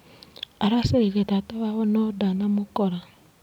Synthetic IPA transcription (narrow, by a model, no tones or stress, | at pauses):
aɾaseɾiɾetataβaβɔnɔdanamokɔɾa